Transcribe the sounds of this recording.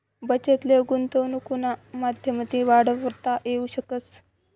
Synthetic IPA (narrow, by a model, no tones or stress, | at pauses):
bət͡ɕet̪leɡunt̪onukunamad̪ʱjəmət̪iʋaɽəʋəɾt̪aʔeuɕəkət͡s